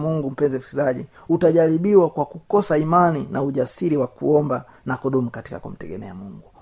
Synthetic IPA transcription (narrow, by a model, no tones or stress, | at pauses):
muŋɡum̩pɛnzɛkizaʄi | utaʄaɾiɓiwakwakukɔsaimaninauʄasiɾiwakuɔmba | nakuɗɔmukati̥ka̰kṵm̩tɛɡɛnɛamuŋɡu